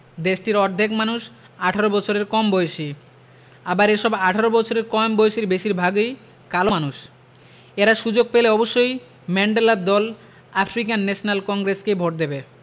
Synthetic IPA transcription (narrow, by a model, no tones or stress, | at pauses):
d̪eʃʈiɾɔɾd̪ʱekmanuʃ | aʈʰaɾobɔt͡ɕʰoɾeɾkɔmbɔjeʃi | abaɾeʃɔbaʈʰaɾobɔt͡ɕʰoɾeɾkɔmbojeʃiɾbeʃiɾbʱaɡoj | kalomanuʃ | eɾaʃud͡ʑoɡ̚peleɔboʃːoj | mɛɳɖelad̪ɔl | afɾikanːɛʃonalkɔŋɡɾeskebʱoʈ̚d̪ebe